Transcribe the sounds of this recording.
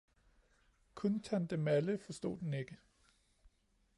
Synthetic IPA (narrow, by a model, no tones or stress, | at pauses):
kʰɔnt͡sʰænd̥emæləfɒ̽sd̥o̝̰ːd̥ene̝ɡ̥ə